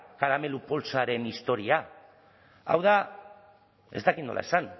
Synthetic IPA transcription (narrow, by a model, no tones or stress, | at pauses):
kaɾame̞lupo̞lsaɾe̞nist̪o̞ɾia | a̰wða | e̞zt̪akit̪no̞lʔa̰esan